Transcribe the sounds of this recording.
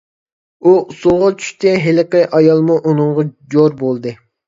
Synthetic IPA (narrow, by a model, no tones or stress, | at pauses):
usʊlˠʁɑt͡ʃʰy̥ʃt̪ɪɦelɪqɪʔɑjɑlˠmuʔunɨŋʁɑd͡ʒoɾbolˠd̪ɨ